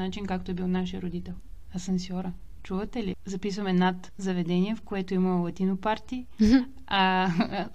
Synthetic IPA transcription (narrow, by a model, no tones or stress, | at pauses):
nat͡ʃinkakt̪oɛbilˠnaʃijəɾod̪it̪ɛlˠ | ɐsɐnsjɔɾə | t͡ʃuvɐt̪ɛlizɐpisvɐmɛnat̪ | zɐvɛd̪ɛniɛfkoɛt̪oimɐlˠɐt̪inopaɾt̪i | a